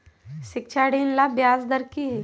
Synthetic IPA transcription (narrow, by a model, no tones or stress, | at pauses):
ʃɪk̚t͡ʃʰaːɽiːnlabjaːsd̪əɾkiɦe